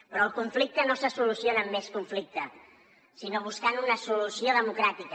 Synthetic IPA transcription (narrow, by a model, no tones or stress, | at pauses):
pɾɔəlˠkuɱflik̚t̪ənosəsulusjonəmːeskuɱflik̚t̪ə | sinoβ̞uskanunəsulusioðəmukɾat̪ik